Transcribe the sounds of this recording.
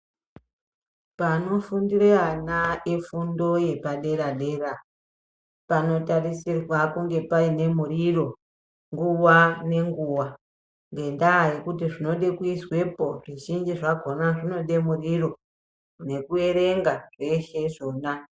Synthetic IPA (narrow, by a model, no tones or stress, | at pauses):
pano̞fundirianaefundo̞je̞paɗe̞ɾaɗe̞ra | pano̞tarisirwakuŋɡe̞paine̞muriro̞ | ŋɡuwane̞ŋɡuwa | ŋɡe̞ndaje̞kutiʐino̞ɗe̞kuiswe̞po̞ʐiʒind͡ʒiʐaɡʱo̞naʐino̞ɗe̞muriro̞ | ne̞kue̞ɾe̞ŋɡaʐe̞ʃe̞ʐo̞ːna